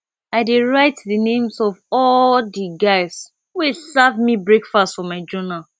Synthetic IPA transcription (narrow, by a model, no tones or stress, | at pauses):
aɪdiɹaɪtðənẽmsɔvɔldiɡaɪs | wilsɛvmibɹekfastfɔmaɪd͡ʒɔnal